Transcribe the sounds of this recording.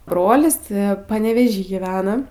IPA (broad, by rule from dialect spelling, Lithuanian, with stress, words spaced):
ˈbroːlʲɪs ˈtʲɪ pɐnʲɛʋʲɛˈʒʲiː ɡʲiːˈʋʲæːnɐ